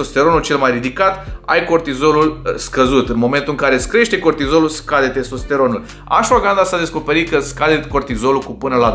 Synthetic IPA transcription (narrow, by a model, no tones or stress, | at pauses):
ost̪e̞ɾo̞nult͡ʃe̞lmajrid̪ikat̪a̰jko̞rt̪izo̞lulskəzut̪ɨnmo̞me̞nt̪uɨŋkaɾe̞skɾeʃt̪eko̞rt̪izo̞luskad̪et̪e̞sost̪e̞ɾo̞nul | a̰ʃfoɡand̪asad̪e̞sko̞pe̞ɾikəskad̪et̪ko̞rt̪izo̞lukupɨnəla